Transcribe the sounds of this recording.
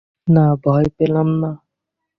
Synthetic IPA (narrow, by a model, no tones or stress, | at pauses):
nabʱɔjpelamna